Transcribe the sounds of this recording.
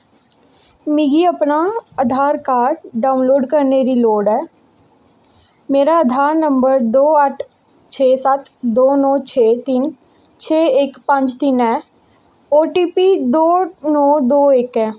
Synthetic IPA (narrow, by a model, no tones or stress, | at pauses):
miːɡiəpnaəd̪ʱaːɾkaːɖɖaːʊnloːɖkəɾneːɾiloːɖɛː | meːɾaəd̪ʱaːɾnə̃mbəɾd̪oːəʈʰ | t͡ʃʰeːsət̪d̪oːnɔːt͡ʃʰeːt̪iːn | t͡ʃʰeːɪkpə̃ɲd͡ʒt̪inɛː | oːʈiːpiːd̪oːnɔːd̪oːeːkɦɛː